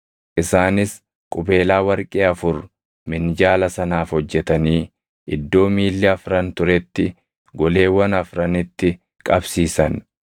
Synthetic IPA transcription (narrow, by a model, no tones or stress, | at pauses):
ʔɪsaːnɪs | kʼʊbe̞ːlaːwɐɾkʼeːɐfʊɾ | mɪnd͡ʒaːlɐsɐnaːfhɔd͡ʒːɛt̪ɐniː | ʔɪd̪ːo̞ːmiːlːɛɐfɾɐnt̪ʊɾɛt̪ːɪ | ɡɔle̞ːwːɐnɐfɾɐnɪt̪ːɪ | kʼɐbsiːsɐn